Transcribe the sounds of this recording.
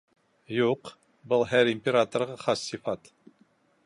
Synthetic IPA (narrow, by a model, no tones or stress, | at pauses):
juq | bɨlˠɦæɾimʲpʲeɾat̪oɾʁɑχɑsːifɑt̪